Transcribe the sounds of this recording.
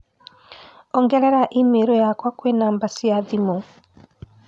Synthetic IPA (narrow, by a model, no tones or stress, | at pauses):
ɔŋɡɛɾɛɾaʔimeɾɔjakwakwenaːmbasiaðimo